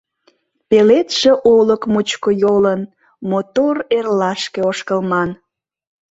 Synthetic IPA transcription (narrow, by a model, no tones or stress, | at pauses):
pelet̪ʃeʔoləkmut͡ɕkojolən | mot̪orerlɑʃkeoʃkəlmɑn